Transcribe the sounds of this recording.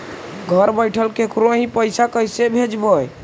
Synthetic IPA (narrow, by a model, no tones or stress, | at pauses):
ɡʱəɾbəjʈʰəlkekɾoɦĩpəjsakəjsebʱed͡ʒbəj